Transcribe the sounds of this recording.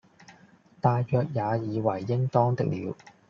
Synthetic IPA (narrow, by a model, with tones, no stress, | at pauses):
t̪aː˨˧jjœː˨˧k̚jaː˨˧jiː˨˧wɐ˨˩jːɪ˥ŋt̪ɔː˥ŋt̪ɪ̰˨k̚lḭː˨˧w